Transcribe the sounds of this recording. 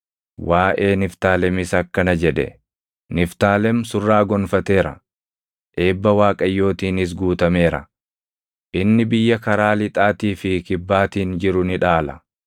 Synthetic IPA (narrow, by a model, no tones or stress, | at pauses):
wʔaːʔe̞ːnɪft̪aːlɛmɪsɐkːɐnɐd͡ʒɛᶑɛ̰ | nɪft̪aːlɛmsʊrːaːɡɔnfɐt̪e̞ːɾɐ̰ | ʔe̞ːbːɐwaːkʼɐjːo̞ːt̪iːnɪs̬ɡuːt̪ɐme̞ːɾɐ̰ | ʔɪnːɪbɪjːɐkɐɾaːlɪt̪ʼaːt̪iːfɪkɪbːaːt̪iːnd͡ʒɪɾʊnɪᶑaːlɐ